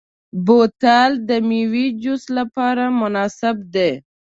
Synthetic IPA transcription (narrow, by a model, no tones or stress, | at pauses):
bot̪ɑld̪əmiwid͡ʒʊslapɑɾamʊnɑsɪbd̪e